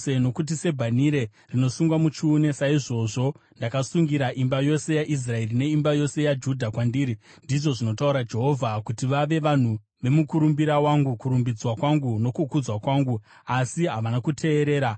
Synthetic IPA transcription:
eno̞kut̬ise̞bʱaniɾe̞ | rino̞suŋɡwamut͡ʃuːne̞saiʐo̞ʐo̞ndakasuŋɡiɾaʔimbajo̞se̞jaʔis̬rae̞rine̞imbajo̞se̞jad͡ʒudʱakwandiːɾindiʐo̞ʐino̞tauɾad͡ʒe̞ɦo̞vʱakutiʋaʋe̞ʋan̤u | ʋe̞mukuɾumbiɾawaŋɡukuɾumbid͡zwakwaŋɡuno̞kukud͡zwakwaŋɡu | asiɦaʋanakutʰe̞ːɾe̞ːɾa

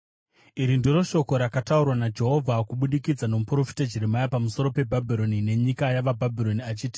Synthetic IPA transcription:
iɾindiɾo̞ʃo̞ko̞ɾakataurwanad͡ʒe̞ɦo̞vʱakuɓuɗikid͡zano̞mupro̞fi̥tad͡ʒiɾemajapamuso̞ɾo̞pe̞bʱabʱiɾo̞nine̞ɲikajaʋabʱabʱiɾo̞niat͡ʃiːti̥

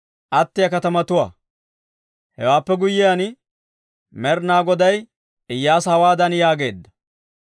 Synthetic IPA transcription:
ʔɐt̪ːɪjɐkɐt̪ɐmɐt̪ʊwa̰ː | hɛ̰waːpːɛɡʊjːɪjan | mɛɾnaːɡɔd̪ɐj | ɪjːaːsɐwaːd̪ɐnjaːɡe̞ːd̪ːɐ̥

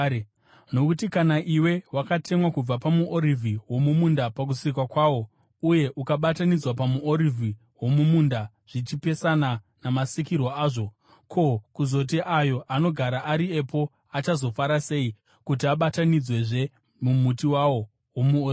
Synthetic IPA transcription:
no̞kutikanaʔiwe̞wakatʰe̞mwakub͡vapamuʔoɾivʱiwo̞mumundapak̬usik̬wakwaːwo̞ | uje̞ʔukaɓatanid͡zwapamuoɾivʱi | wo̞mumunda | ʐ̥it͡ʃipe̞sana | namasikirwoaːʐo̞ | kʰo̞kuzo̞t̬iʔajo̞ʔano̞ɡʱaɾaʔaɾie̞po̞ | at͡ʃazo̞faɾase̞i | kutiaɓatanid͡zwe̞ʐe̞ | mumutiwawo | womuo

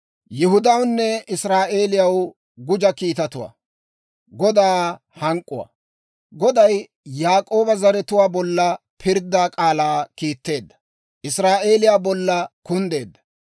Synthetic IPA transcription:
jɪɦʊd̪ɐwnːɛɪsɾaːʔe̞ːlɪjɐw | ɡʊd͡ʒɐkiːt̪ɐt̪ʊwa̰ː | ɡɔd̪aː | hɐŋkʼːʊwa̰ | ɡɔd̪ɐjː | aːkʼo̞ːbɐzɐɾɛt̪ʊwaːbɔlːɐ | pʰɪɾd̪ːaːkʼaːlaːkiːt̪ːe̞ːd̪ːɐ̥ | ʔɪsɾaːʔe̞ːlɪjaːbɔlːɐkʊnd̪e̞ːd̪ːɐ̥

